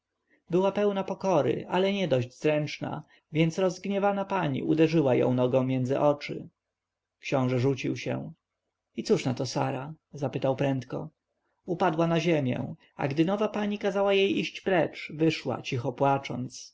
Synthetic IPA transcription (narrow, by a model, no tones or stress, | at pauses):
bɘwapɛwnapɔkɔɾɪ̰ʔalɛɲɛd̪ɔʑd͡ʑzɾɛnt͡ʂna̰ | vʲjɛnt̪sɾɔzɡɲɛvanapaɲḭud̪ɛʐɘwajɔ̰̃w̃nɔɡɔ̃w̃mʲjɛndzɘ̰ʔɔt͡ʂɘ̰ | kɕɔ̃w̃ʐɛʐut͡ɕiwɕɛ̰w̃ | it̪suʂnat̪ɔsaɾa | zapɘt̪awpɾɛnt̪kɔ̰ | upad̪wanaʑɛmʲjɛ̰w̃ | a̰ɡd̪ɘnɔvapaɲikazawajejiɕt͡ɕpɾɛt͡ʂvɘʂwa̰t͡ɕixɔpwat͡ʂɔ̰nt̪s